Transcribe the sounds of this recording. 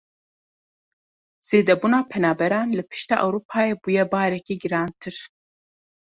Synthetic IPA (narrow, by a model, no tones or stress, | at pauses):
z̥eːd̪ɛbuːnaːpʰɛnaːbɛɾɑːnlɨpʰɨ̥ʃt̪ɑ̰ːʔɛwɾuːpʰaːjeːbuːjɛbɑːɾɛkiːɡɨɾɑːnt̪ʰɨɾ